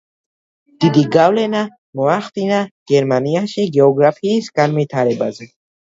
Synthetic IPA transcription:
d̪̥id̪iɡavlɛna | mɔaχd̪inaɡ̥ɛɾmaniaʃiɡɛɔɡɾapʰiːsɡanvit̪ʰaɾɛbazɛ

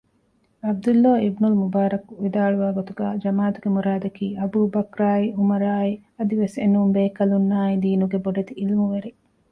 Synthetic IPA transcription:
ɐb̚d̪ulːaːibnulmubaːɾɐkuʋid̪aːɭuʋaːɡot̪uɡæːd͡ʒɐmaːt̪uɡemuɾaːd̪ɐkiːʔɐbuːbɐkɾaːiumɐɾaːiɐd̪iʋesḛnumbeːkɐlunːaːid̪iːnuɡeboɖɐt̪iilmuʋeɾe

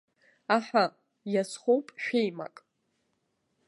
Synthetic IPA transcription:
aħʷᶣa | jasχʷowpʼʃᶣejma̰kʼ

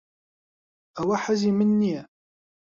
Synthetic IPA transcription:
æwaħazimənːiæ

